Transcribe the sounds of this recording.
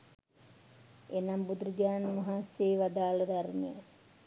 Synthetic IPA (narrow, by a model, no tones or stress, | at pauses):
enambud̪ɾəd͡ʒaːnmaɦaːseːʋad̪aːlɐd̪aɾmejə